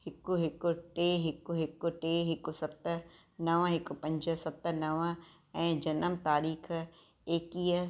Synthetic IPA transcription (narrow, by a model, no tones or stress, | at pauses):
hɪkːuɦɪkoʈeːɦɪkːuɦɪkːoʈeːɦɪkːʊsɐpt̪ | nɐʋə̃ɦɪkːʊpɐ̃ɲd͡ʒəsɐpt̪ənɐʋə̃ | ɛ̃ːd͡ʑɐnəmt̪aːɾiːxʰ | eːkiː